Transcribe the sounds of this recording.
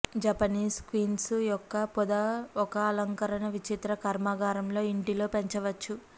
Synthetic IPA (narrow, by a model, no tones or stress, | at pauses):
d͡ʒɐpɐniːskʋiːnsjɔkːɐpɔd̪ɐɔkɐːlɐŋkɐɾɐɳɐʋit͡ʃit̪ɾɐkɐɾmaːɡaːɾɐmlo̞ːiɳʈilo̞ːpeɲt͡ʃɐʋɐt͡ʃːu